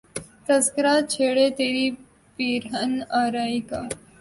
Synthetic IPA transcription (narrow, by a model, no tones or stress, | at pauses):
t̪əskɾat͡ʃʰeɽet̪eɾiː | piːɾɦənaɾaika